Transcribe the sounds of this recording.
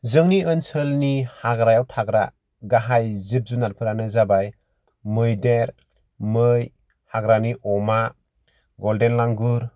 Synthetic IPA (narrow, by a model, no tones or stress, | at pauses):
zɯŋniɯnsɯlnihaɡɾajawtʰaɡɾa̰ | ɡaɦajzɯp̚zunaɾpʰɯɾanɯzabaj | mɯjdeɾ | mɯj | haɡɾaniʔɔma | ɡɔldenlaŋɡɯɾ